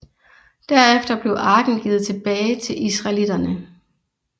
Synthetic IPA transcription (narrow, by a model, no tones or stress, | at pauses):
d̥æɐefd̥ɐb̥le̝ʊʔɑ̈ːɡ̥n̩ɡ̥iːð̞̩ˠt͡sʰe̝b̥ɛːɪt͡sʰe̝lʔisʁɑ̈ɪlid̥ɐnə